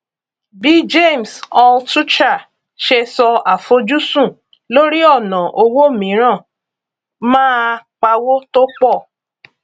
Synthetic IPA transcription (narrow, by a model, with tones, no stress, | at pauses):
bi˨˦d͡ʒe˦˨m˨sɔ˧ltu˦t͡ʃa˦˨ | ʃe˧sɔ˧a˨fo˧˦d͡ʒu˦sũ˦˨ | lo˦ɾi˦ɔ˦˨nã˨ʔo˧wo˦˨mĩ˨˦ɾ̃ã˦˨ | mãː˦k͡pa˧wo˦to˦k͡pɔ˦˨